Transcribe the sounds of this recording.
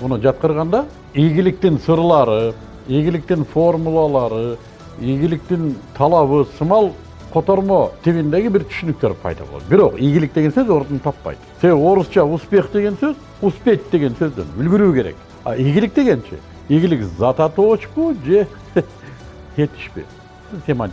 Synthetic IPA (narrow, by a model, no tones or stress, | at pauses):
mʊnəd͡ʒɑt̪̚qəɾʁɑnd̪ɑ | ijɡʲɪlɪk̚t̪ɪnsəɾəlˠɑɾə | iɡʲɪlɪk̚t̪ɪnfo̞rmulˠɑlˠɑɾə | iɡʲɪlɪk̚t̪ɪnt̪ʰɑlˠɑβəsəmɑlˠ | qʰo̞t̪o̞ɾmo̞t̪ʰeβind̪e̞ɡʲɪbɪɾt̪ʰʏ̥ʃʏnɪk̚t̪eɾpʰɑ̰jd̪ɑ̰bo̰ɑ̰d̪bɪɾo̞qijɡʲɪlɪk̚d̪eɡe̞nsøzo̞ɾt̪ənt̪ʰɑpːɑ̰jd̪̥ə̥seewo̞ɾəst͡ʃɑʊspe̞χd̪e̞ɡʲe̞nsøz | ʊspe̞t̪d̪e̞ɡʲe̞nsøzd̪ḛnʏlɡʲɪɾukʲʰe̞ɾe̞̰k | ɑ̰iɡʲɪlɪk̚t̪e̞ɡʲe̞nʃḛ | eɡʲɪlɪkzɑt̪ɑt̪ot͡ʃpəʒe̞ | het̪ɪ̥ʃpḛ | seman